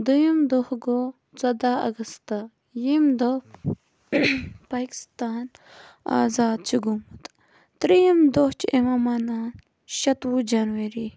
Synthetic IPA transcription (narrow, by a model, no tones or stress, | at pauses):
d̪ujimd̪ohɡo | t͡sɐd̪aːɐ̰ɡɐst̪ɐ | jimd̪oh | paːki̥st̪aːn | a̰ːzaːd̪̚t͡ʃʰiɡumɐt̪ | t̪ɾijimd̪oht͡ʃemamanaːn | ʃɐt̪wud͡ʒanwɐɾi